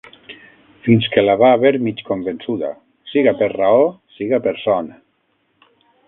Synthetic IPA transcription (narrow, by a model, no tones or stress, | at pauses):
finskelaβaːβeɾmit͡ʃkombensuða̰ | siɣapeɾraosiɣapeɾsɔna